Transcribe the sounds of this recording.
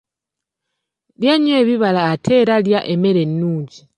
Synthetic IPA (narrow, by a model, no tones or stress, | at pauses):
ljaɲweːβiβalaːtʰe̞ɾaljaʔeme̞ɾe̞nːuːɲɟi